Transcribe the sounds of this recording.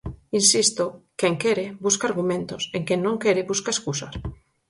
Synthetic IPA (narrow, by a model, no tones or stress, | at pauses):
insist̪okeŋkeɾebuskaɾɣumẽnt̪oseŋkeŋnõŋkeɾɪbuskaeskusaɾ